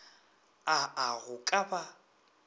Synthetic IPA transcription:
aaɣʊkʼaba

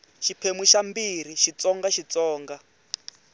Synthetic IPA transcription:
ʃipʰemwiʃambiɾ̤iʃit͡sɔŋɡaʃit͡sɔːŋɡa

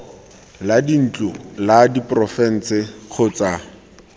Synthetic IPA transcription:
ladin̩t͡ɬʊladiprɔfɛn̩t͡sɪχʰʊt͡sa

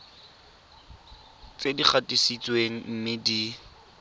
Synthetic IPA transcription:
t͡sedik͡xʰatʼisit͡sweŋ̩m̩mɪdi

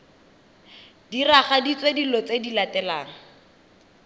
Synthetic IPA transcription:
diraχadit͡swedilɔt͡sedilatɛlaːŋa

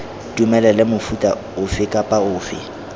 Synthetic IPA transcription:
tʼumɛlɛlɛmʊfutʼa̰ | ʊfɪkʼapʼaʊːfɪ̰

